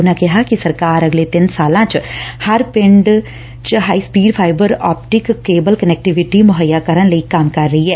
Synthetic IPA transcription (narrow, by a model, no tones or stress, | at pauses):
ʊnãkɪɦakisɐɾkaːɾəɡleːt̪ɪnsaːlãːt͡ʃhɐɾpɪ̃ɳɖ | t͡ʃɦaːiːspiːɖpʰaːɪbəɾaːpʈɪkːeːbəlkənɛːk̚ʈɪʋɪʈimʊɦəjːaːkəɾənləikamkɐɾːəɦiɦɛː